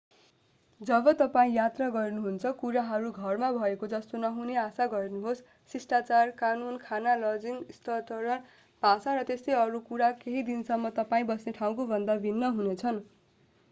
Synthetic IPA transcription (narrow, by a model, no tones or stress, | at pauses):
d͡zʌbʌt̪ʌpaĩjat̪raɡʌrnuɦunt͡sʰʌkuɾaɦʌɾuɡʱʌrmabʱʌekod͡zʌst̪onʌɦuneasaɡʌrnuɦos | sisʈat͡sarkanunkʰanalʌd͡ziŋst̪ʌt̪ʌɾʌn | bʱasaɾʌt̪est̪ejʌɾukuɾakeɦid̪insʌmːʌt̪ʌpaĩbʌsneʈʰaw̃kobʱʌnd̪abʱinːʌɦunet͡sʰʌn